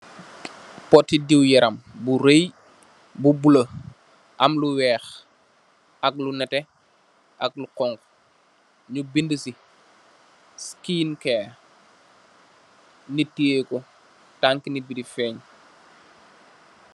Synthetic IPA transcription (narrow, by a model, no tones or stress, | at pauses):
pɔtːidiwjɛɾʔɐmbuɾej | bubulɐ | ʔɐmluwɛːx | ʔɐk̚lunɛtɛ | ʔɐk̚luqɔŋk | ɲubindəsi | skiːnkɛː | nitːiekɔ | taŋkinibidifɛːɲ